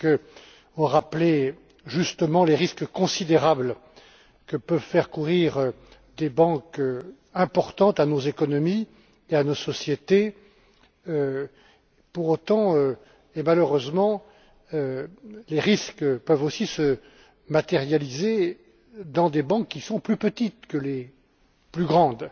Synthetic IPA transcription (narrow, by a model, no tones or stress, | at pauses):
kə | ɔ̃ʁaple | ʒyst̪əmɑ̃leʁiskkɔ̃sid̪eʁabl | kəpœvfɛʁkuʁiʁø | d̪ebɑ̃kø | ɛ̃pɔʁt̪ɑ̃t̪anozekɔnɔmi | eanosɔsjet̪e | ø | puʁot̪ɑ̃ø | emaløʁøzmɑ̃ | øleʁiskpœvosisə | mat̪eʁjalize | d̪ɑ̃d̪ebɑ̃kːisɔ̃plypət̪it̪kəle | plyɡʁɑ̃d̪